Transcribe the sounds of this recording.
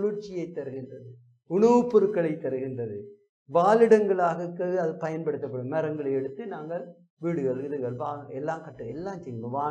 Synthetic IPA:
ɭʊɾt͡ʃːɪjɐɪt̪ːɐɾɯɣɪndrɐðɯ | ʊɳɐʋɯpːʊɾɯkːɐɭɐɪt̪ːɐɾɯɣɪndrɐðɯ | ʋaːlɪɽɐŋɡɐɭaːɣɐkːɐɐðɯpɐjɐnpɐɽɯt̪ːɐp̬ːɐɽɯmːɛɾɐŋɡɐɭɐɛɽɯt̪ːɯnaːŋɡɐɭ | ʋiːɽɯɣɐɭɯðɯɣɐɭʋaːɐɛlːaːkɐʈːɯɛlːaːmt͡ʃɛjɯŋɡɐʋaː

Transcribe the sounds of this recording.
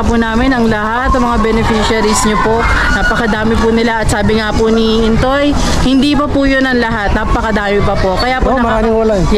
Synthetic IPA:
punaːmɪnɐŋlɐhat̪ːɐmɐŋabɛnɛfiʃɐɾisɲopo | naːpɐkɐd̪aːmɪpʊnɪlaʔɐt̪̚saːbɪŋapʊni | ɪnt̪oj | hɪnd̪iːpɐpujonɐŋlɐɦat̪naːpɐkɐd̪aːmɪpɐpo̞kɐjaːpomɐɾaːnɪŋwɐla

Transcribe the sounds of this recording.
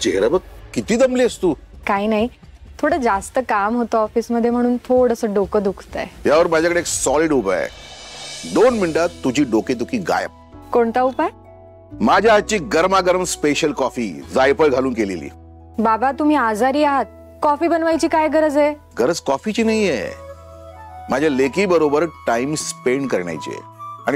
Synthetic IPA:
t͡ɕeɦɾabəkkit̪iːd̪əmliəst̪uːkainaɦi | t̪ʰoɽəd͡zast̪əkamɦot̪oɔfiːsməd̪ʱjem̤əɽ̃uːnt̪ʰoɽəsəɖokəd̪ukʰt̪a̰eɦjaʋəɾmad͡ʑakəɽeːksɔliɖupa̰ | d̪onmiɳɖat̪ːud͡ʑʱiːɖoket̪ukiɡa̰jə̰p̚koɳt̪aupaj | mad͡ʑʱjaɦat̪̚ːt͡ɕiːɡəɾmaɡəɾəmspeɕəlkɔfḭd͡zajpəɭɡʱaluːnkelḛlḭː | babat̪um̤iːad͡zaɾiːaɦat̪̚ | kɔfiːbənʋajt͡ɕiːkajɡəɾəd͡ze | ɡəɾəd͡zkɔfit͡ɕiːnaijḛ | mad͡ʑʱjalekiːbəɾobəɾʈaimspeɳɖkəɾɳa̰jt͡ɕḭɛ̰aɽ̃i

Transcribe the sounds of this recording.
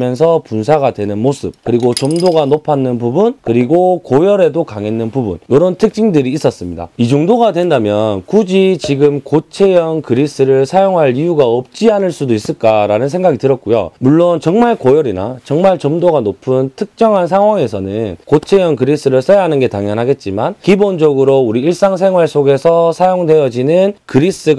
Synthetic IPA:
jʌnsʰʌpunsʰaɡadwe̞nɯnmos͈ʰɯb̚kɯɾiɡot͡ɕʌmdoɡanopʰanːɯnpubunkɯɾiɡokojʌɾe̞dokaŋenːɯnpubṵnjoɾʌntʰɯk̚t͡ɕ͈ʰiŋdɯɾiːs͈ʌs͈ɯmɲida̰id͡ʑoŋdoɡadwe̞ndamjʌnkud͡ʑit͡ɕiɡɯmkot͡ɕʰe̞jʌŋkɯɾis͈ɯɾɯɭsʰajoŋɦaɭijuɡaʌp̚t͡ɕ͈ianɯɭs͈udois͈ɯɭk͈aɾanɯnsʰe̞ŋɡaɡitɯɾʌt̚k͈ujo̰muɭːont͡ɕʌŋmaɭkʌjʌɾina̰t͡ɕʌŋmaɭt͡ɕʌmdoɡanopʰɯntʰɯk̚t͡ɕ͈ʌŋɦans̬ʰaŋwaŋe̞sʰʌnɯnkot͡ɕʰe̞jʌnkɯɾis͈ɯɾɯɭs͈ʌjaɦanɯnɡe̞taŋjʌnɦaɡe̞t̚t͡ɕ͈imankibond͡ʑʌɡɯɾouɾiiɭs͈aŋsʰe̞ŋwaɭs͈oɡe̞sʰʌsʰajoŋde̞jʌd͡ʑinɯnkɯɾis͈ɯ

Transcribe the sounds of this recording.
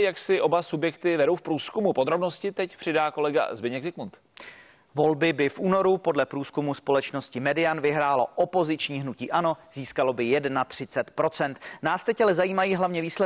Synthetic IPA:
jaksɪʔo̞basubjɛkt̪ɪvɛɾo̞wfpɾuːskumupod̪ɾo̞bnoscɪt̪ɛcpr̝̥ɪdaːko̞lɛɡa̰zbɪɲɛɡzɪkmunt̪ | vo̞lbɪbɪfʔuːno̞ɾupo̞dlɛpɾuːskumuspo̞lɛt͡ʃno̞scɪmɛdɪanvɪɦɾaːlo̞ʔopo̞zɪt͡ʃɲiːɦnuciːʔano̞ziːskalo̞bɪjɛdnat̪r̝̥ɪt͡sɛt̪pɾo̞t͡sɛnt̪naːst̪ɛcalɛzajiːmajiːɦlavɲɛviːslɛ

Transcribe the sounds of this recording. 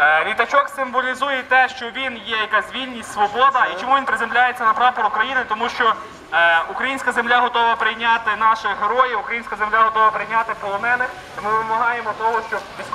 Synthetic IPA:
ʋʲit̪ɐt͡ʃɔksɪmbɔlʲizujɛt̪ɛʃt͡ʃɔʋʲinjɛjɐkazʲʋʲilʲnʲisʲtʲsʋɔbɔd̪ɐit͡ʃɔmuʋʲinpɾɪzemlʲajet͡sʲːɐnɐpɾɑpɔɾukɾɐjinɪt̪ɔmuʃt͡ʃɔ | ukɾɐjinʲsʲkɐzemlʲaɦɔt̪ɔʋɐpɾɪjnʲat̪ɪnɑʃɪɦeɾɔjɪukɾɐjinʲsʲkɐzemlʲaɦɔt̪ɔʋɐpɾɪjnʲat̪ɪpɔlˠɔmɛnɪx | t̪ɪmɪd̪pɔmɐɦɑjemɔt̪ɔɦɔʃt͡ʃɔʋʲi

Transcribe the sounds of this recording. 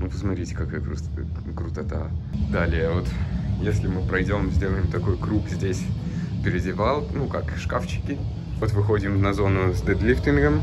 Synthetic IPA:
nupəsmɐt̪ɾʲitʲɪ̥kɐkajəkɾʊ | kɾʊt̪ɐt̪ad̪alʲɪjəvo̞t̪jesʲlʲɪmɨpɾɐjdʲo̞mzʲdʲeləjɪmt̪ɐko̞jkɾupzʲdʲesʲ | pʲɪɾʲɪdʲɪvalˠnukakʂkaft͡ɕɪ̥kʲɪ | vot̪vɨxo̞dʲɪmnɐzo̞nʊsʲd̪ɛd̪lʲift̪ʲɪnɡəm

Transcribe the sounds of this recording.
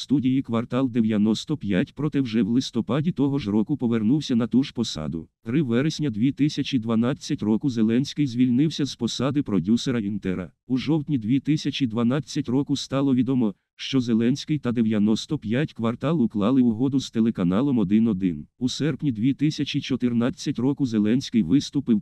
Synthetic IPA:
st̪udʲijikʋɐrt̪ɑlˠd̪eʋʲjɐnɔst̪ɔpʲjatʲpɾɔt̪ɛwʒɛwlˠɪst̪ɔpɑdʲit̪ɔɦɔʒɾɔkʊpɔʋernuwsʲɐnɐt̪uʒ̥pɔsɑ̰d̪ʊ̰t̪ɾɪʋɛɾesʲnʲɐd̪ʲʋʲit̪ɪsʲɐt͡ʃid̪ʋɐnɑt͡sʲːɐtʲrɔkʊzelˠɛnʲsʲkɪjzʲʋʲilʲnɪwsʲɐz̥pɔsɑd̪ɪpɾɔdʲuseɾɐint̪ɛɾɐ̰ | uʒɔwt̪ʲnʲid̪ʲʋʲit̪ɪsʲɐt͡ʃid̪ʋɐnɑt͡sʲːɐtʲrɔkʊst̪ɑlˠɔʋʲid̪ɔmɔ | ʃt͡ʃɔzelˠɛnʲsʲkɪjt̪ɐd̪eʋjɐnɔst̪ɔpʲjatʲkʋɐrt̪ɑlˠʊklˠɑlˠɪʊɦɔd̪ʊz̥t̪elˠekɐnɑlˠɔmɔd̪ɪnɔd̪ɪnusɛrpnʲid̪ʲʋʲit̪ɪsʲɐt͡ʃit͡ʃɔt̪ɪrnɑt͡sʲːɐtʲrɔkʊzelˠɛnʲsʲkɪjʋɪst̪ʊpɪw

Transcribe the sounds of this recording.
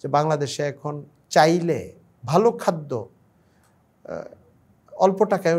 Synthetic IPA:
d͡ʑebaŋlad̪eʃeɛkʰon | t͡ɕajle | bʱalokʰad̪ːo̰ | ɔlpoʈaka

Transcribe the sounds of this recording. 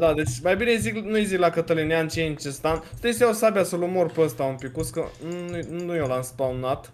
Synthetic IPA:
d̪ad̪e̞t͡ʃʲmajbinejziknujziklakət̪əlineant͡ʃeint͡ʃest̪anst̪aest̪ejosabjasulumorpeəst̪aumpikuskənnunujolanspaunat̪

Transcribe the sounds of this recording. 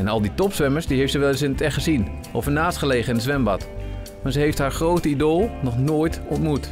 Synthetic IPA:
ɛnɑlˠditɔpsʋɛməɹsdiɦejftsəʋɛlˠəs̬ɪnətɛχχəzin | ɔfənaːstχəlejχəɪndəzʋɛmbɑt | maːzəɦejftɦaːɹχrowtəidolˠnɔχnoːjtɔntmut

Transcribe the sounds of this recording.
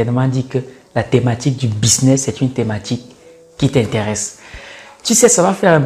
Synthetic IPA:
ɛnmɑ̃d̪ikə | lat̪emat̪ik̚d̪ybisnɛsɛt̪ynt̪emat̪ikː | it̪ɛ̃nt̪eʁɛs | t̪ysɛsavafɛʁɛ̃

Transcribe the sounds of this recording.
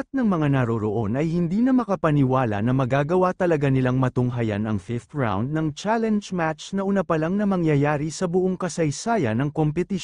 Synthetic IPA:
t̪̚nɐŋmɐŋanɐɾoɾoʔo̞nʔɐjhɪnd̪inɐmɐkɐpɐnɪwaːlɐ̰nɐmɐɡaːɡɐwat̪ɐlɐɡanɪlaŋmɐt̪ʊŋɦɐja̰nɐŋfɪft̪ɹa̰wnd̪̚nɐŋt͡ʃalɛnd͡ʒmat͡ʃnɐʔʊnapɐlaŋnɐmɐŋjɐjaːɾisɐbʊʔoŋkɐsɐjsaːjɐnɐŋkompɛt̪ɪ

